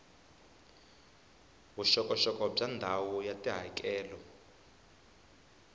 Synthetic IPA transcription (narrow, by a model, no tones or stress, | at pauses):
βuʃɔkʼɔʃɔkʼɔb͡ʐandʱawɔjatʼiɦa̰kʼɛːlɔ